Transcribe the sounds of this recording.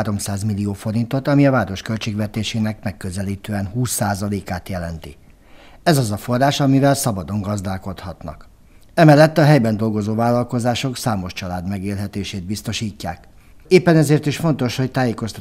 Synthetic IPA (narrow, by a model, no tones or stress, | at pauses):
ɾo̞msaːzmilːioːfo̞ɾint̪o̞t̪ɒmiɒvaːɾo̞ʃkø̞lt͡ʃeːɡvɛt̪eːʃeːnɛkmɛkːøzɛliːt̪øːɛnhuːsːaːzɒleːkaːt̪jɛlɛnt̪ḭ | ɛzɒzɒfo̞rːaːʃɒmivɛlsɒbɒd̪o̞ŋɡɒzd̪aːlko̞t̪hɒt̪nɒ̰k | ɛmɛlːɛt̪ːɒɦɛjbɛnd̪o̞lɡo̞zoːvaːlːɒlko̞zaːʃo̞ksaːmo̞ʃt͡ʃɒlaːd̪mɛɡeːlɦɛt̪eːʃeːd̪̚bist̪o̞ʃiːcːa̰ːk | eːpːɛnɛzeːrt̪iʃfo̞nt̪o̞ʃho̞c̚t̪aːjeːko̞st̪